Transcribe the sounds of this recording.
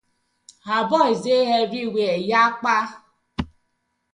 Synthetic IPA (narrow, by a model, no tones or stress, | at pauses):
ɦabɔizeɦeɾiwʷejak͡pa